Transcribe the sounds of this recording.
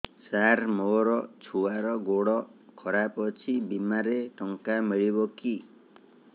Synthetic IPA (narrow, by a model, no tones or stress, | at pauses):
saɾmoɾɔt͡ʃʰuaɾɔɡoɽɔkʰɔɾapɔt͡ʃʰibimaɾeʈɔŋkamiɭibɔki